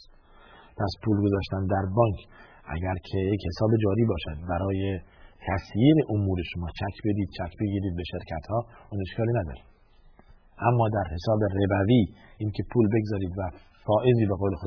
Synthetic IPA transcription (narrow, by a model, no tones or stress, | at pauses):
pʰæspʰuːlɡo̞zɒːʃt̪ænd̪æɾbɒːŋkʰ | ʔæ̰ɟæɾcʰejeche̞sɒːbe̞d͡ʒɒːɾiːbɒːʃæd̪̚bæɾɒːjet̪ʰæsjiːɾe̞ʔomuːɾe̞ʃomɒːt͡ʃʰækʰbe̞d̪iːd̪̥̚t͡ʃʰækbe̞ɡiːɾiːd̪̚be̞ʃe̞ɾcʰæt̪hɒːune̞ʃkɒːliːnæd̪ɒ̰ːɾid̪ | ʔæmːɒːd̪æɾhe̞sɒːbe̞rebæviːʔiːncʰe̞pʰuːlbe̞ɡzɒːɾiːd̪væ | fɒːʔe̞ziːbeɣoːle̞xo